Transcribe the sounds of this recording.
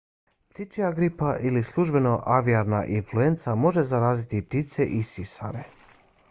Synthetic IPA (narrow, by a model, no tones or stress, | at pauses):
pt̪it͡ʃiaɡɾipaʔilislˠuʒbe̞no̞ʔaʋiaɾnaʔinflue̞nt̪samo̞ʒe̞zaɾaːzit̪ip̚t̪it̪se̞ʔisisa̰ɾe